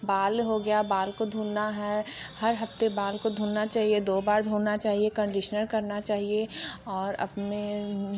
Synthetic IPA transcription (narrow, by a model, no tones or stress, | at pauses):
baːlɦoɡɐjabaːlkod̪ʱuːlnaɦɛhɐɾɦɐft̪ebaːlkod̪ʱuːlnat͡ʃaːɦied̪oːbaːɾd̪ʱuːlnat͡ʃaːɦiekə̃ɳɖɪʃnəɾkɐɾnat͡ʃaːɦieɔːɾɐ̰pnẽ